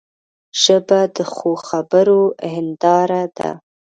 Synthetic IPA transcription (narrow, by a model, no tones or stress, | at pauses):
ʒ̥əbad̪əxoxabəɾohɪnd̪ɑɾad̪a̰